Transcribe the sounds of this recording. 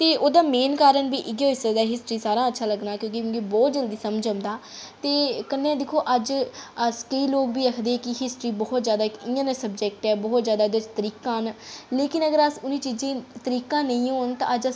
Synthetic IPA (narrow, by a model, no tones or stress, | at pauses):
t̪eːʔoːd̪aːmeːnkaːɾənbiːʔɪɡjoːɦɪsəd̪aːɦɪsʈɾiːsaːɾãːətːʃʰaːləɡnaːkjõːk̬imʊ̃ːɡibɔːt̪̚d͡ʒəld̪iːsəmd͡ʒə̃nd̪aː | t̪eːkənːẽːd̪ɪkʰoːʔəd͡ʒəskəiːloːkbiːəkʰd̪eːkɪɦɪsʈɾiːbɔːt̪zjaːd̪aːɪkɪ̃ːãːnsəbd͡ʒɛk̚ʈɛːbɔːt̪zjaːd̪aːɪd̪et͡ʃt̪əɾiːkãːnleːkɪnəɡəɾəsʊnĩːt͡ʃiːd͡ʒẽːt̪əɾiːkãːnə̃ĩːɦoːnt̪ã̰ːəd͡ʒəs